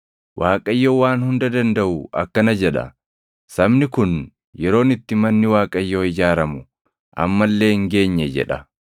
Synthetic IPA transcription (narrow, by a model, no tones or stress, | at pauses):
wʔaːkʼɐjːoːwaːnhʊnd̪ɐd̪ɐnd̪ɐʔʊʔɐ̰kːɐnɐd͡ʒɛᶑɐ̰ | sɐbnɪkʊn | jɛɾo̞ːnɪt̪ːɪmɐnːɪwaːkʼɐjːoːɪd͡ʒaːɾɐmʊ | ʔɐ̰mːɐlːe̞ːŋɡe̞ːɲːɛd͡ʒɛ̰ᶑɐ